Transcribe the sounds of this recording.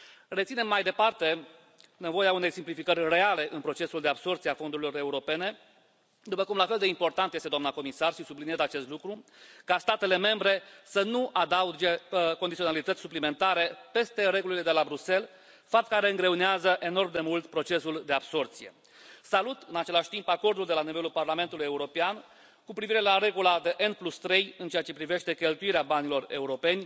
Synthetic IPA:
re̞t̪sine̞mːajd̪e̞part̪e̞ | ne̞vo̞jeaune̞jsimplifikərʲre̞ale̞ʔɨnpɾo̞t͡ʃe̞suld̪e̞abso̞rt̪sijeafo̞nd̪uɾilo̞re̞uɾo̞pe̞ne̞ | d̪upəkumlafe̞ld̪e̞impo̞rt̪ant̪jest̪ed̪amnako̞misarʃisublinijezat͡ʃe̞st̪lukɾukast̪at̪e̞le̞me̞mbɾe̞sənuʔad̪aud͡ʒe̞ko̞nd̪it̪ionalit̪ət̪sʲsu̥plime̞nt̪aɾe̞pe̞st̪e̞ɾe̞ɡulile̞d̪e̞labɾuse̞l | fap̚t̪̚kaɾe̞ɨŋɡɾe̞uneazəʔe̞no̞rmd̪e̞mult̪pɾo̞t͡ʃe̞suld̪e̞abso̞rt̪sije̞̰ | salut̪ɨnat͡ʃe̞laʃʲt̪impako̞rd̪uld̪e̞lanive̞lulparlame̞nt̪ulujeuɾo̞pean | kupɾiviɾe̞laɾe̞ɡulad̪e̞ʔenplust̪ɾe̞jɨnt͡ʃe̞at͡ʃe̞pɾive̞ʃt̪e̞kʲe̞lt̪uiɾeabanilo̞re̞̰uɾo̞pe̞nʲ

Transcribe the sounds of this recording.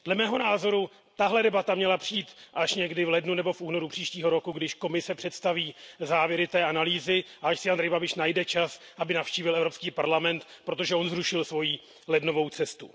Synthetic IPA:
d̥lɛmɛːɦo̞naːzo̞ɾu | t̪aɦlɛdɛbat̪amɲɛlapr̥iiːt̪ʔaʃɲɛɡdɪvlɛdnunɛbo̞fuːno̞ɾupr̥iːʃciːɦo̞ɾo̞kuɡdɪʃko̞mɪsɛpr̝̥ɛt̪st̪aviːzaːvjɛɾɪt̪ɛːʔanaliːzɪʔaaʃsɪandɾɛjbabɪʃnajdɛt͡ʃasʔabɪnafʃciːvɪlɛvɾo̞pskiːpaɾlamɛnt̪pɾo̞t̪̬o̞ʒɛʔo̞nzɾuʃɪlsvo̞jiː | lɛdno̞vo̞wt͡sɛst̪u

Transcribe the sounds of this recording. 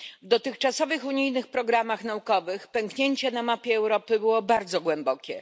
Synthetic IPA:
vd̪ɔt̪ɘxt͡ʂasɔvɘxuɲijnɘxpɾɔɡɾamaxn̪aukɔvɘxpɛŋkɲeɲt͡ɕɛnamapʲjɛːwɾɔpɘbɘwɔbaɾd̪zɔɡwɛmbɔkʲɛ

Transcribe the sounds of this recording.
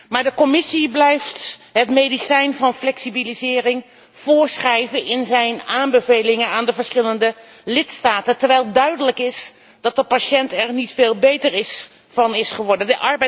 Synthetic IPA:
maːɹdəkɔmɪsiblɛjftɦətmejdisɛjnvɑnflɛksibilizɪːrɪŋ | v̥ʊːɹsχɛjvənɪnzɛjnaːmbəvejlɪŋənaːndəvəɹsχɪləndə | lɪtstaːtəntəɹʋɛjlˠdœɥdələkɪs | d̥ɑt̚dəpaʃɛntɛɹnitfeːlˠbejtəɹɪs | fɑnɪsχəʋɔɹdəndəʔɑɹbɛ

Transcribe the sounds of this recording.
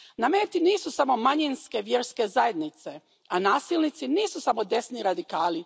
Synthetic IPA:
nameːt̪iniːsusamo̞maɲinske̞ʋjeɾske̞zaje̞d̪nit̪se̞ | anaːsilnit̪siniːsusamo̞d̪e̞sniɾad̪ikaːli

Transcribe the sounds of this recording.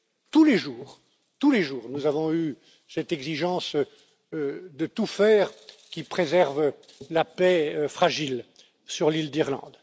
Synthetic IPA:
t̪uleʒuːʁ | t̪uleʒuːʁnuzavɔ̃y | sɛt̪ɛɡziʒɑ̃s | d̪ət̪ufɛːʁ | kʲipχezɛʁv | lapɛfχaʒil | syʁlild̪iʁlɑ̰̃d̪

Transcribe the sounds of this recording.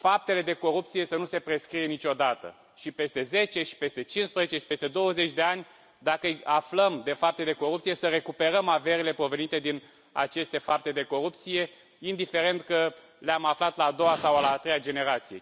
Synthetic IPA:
fap̚t̪e̞le̞d̪e̞ko̞ɾup̚t̪sije̞sənuse̞pɾe̞skɾije̞nit͡ʃo̞d̪at̪ə̰ | ʃipe̞st̪e̞ze̞t͡ʃe̞ʃi̥pe̞st̪e̞t͡ʃinspɾəzet͡ʃe̞ʃi̥pe̞st̪e̞d̪o̞wəze̞t͡ʃʲd̪e̞anʲ | d̪akəjafləmd̪e̞fap̚t̪e̞d̪e̞ko̞ɾup̚t̪sije̞səɾe̞kupe̞ɾəmaveɾile̞pɾo̞ve̞nit̪e̞d̪in | a̰t͡ʃe̞st̪e̞fap̚t̪e̞d̪e̞ko̞ɾup̚t̪sije̞ | ind̪ife̞ɾe̞nt̪kə | leamaflat̪laːd̪o̞wasawalaːt̪ɾejad͡ʒe̞ne̞ɾat̪sije̞̰

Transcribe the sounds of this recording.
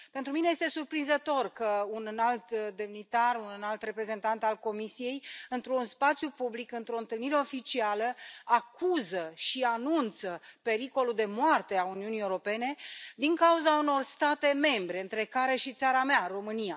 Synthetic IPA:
pe̞nt̪ɾuminejest̪e̞surpɾinzət̪o̞rkəunɨnalt̪d̪e̞mnit̪arunɨnalt̪re̞pɾe̞ze̞nt̪ant̪alko̞misije̞jɨnt̪ɾunspat̪sjupublikɨnt̪ɾo̞ɨnt̪ɨlniɾe̞o̞fit͡ʃialəakʰuzəʃianunt̪səpe̞ɾiko̞lud̪e̞moart̪e̞auniunijewɾo̞pe̞ne̞d̪iŋkauzauno̞rst̪at̪e̞me̞mbɾe̞ɨnt̪ɾe̞kaɾe̞ʃit̪saɾamearo̞mɨnija

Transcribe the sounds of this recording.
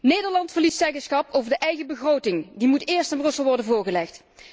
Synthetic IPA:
nejdəɹlɑntfəɹlistɛjɡəɹsχɑpowvəɹdəʔɛjɣəbəɣrowtɪŋdimutɪːɹstanbrɵsəlˠʋɔɹdənvʊːɹɣəlɛxt

